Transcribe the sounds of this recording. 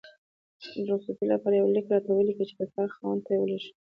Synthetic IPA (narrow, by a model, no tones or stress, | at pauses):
ɾosufilapɑɾajawlikɾɑt̪awəlikət͡ʃe̥k̪asɑxɑnt̪ajewəlaʃi̥